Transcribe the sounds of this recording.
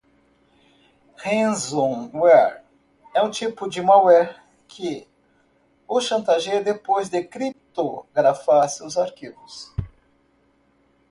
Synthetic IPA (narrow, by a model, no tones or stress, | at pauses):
hẽzõwɛɾ | ɛũt͡ʃipʊd͡ʒɪmawɛ | kʰɪ | ʊʃɐ̃nt̪aʒejd̪epojzd̪ekɾip̚t̪oɡɾafasɪʊzaɾkivʊs